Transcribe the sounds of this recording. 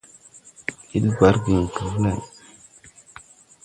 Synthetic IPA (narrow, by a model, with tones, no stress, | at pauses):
i˦lba˨˦ɾɡi˨ŋ˨ka˨m˦la˨n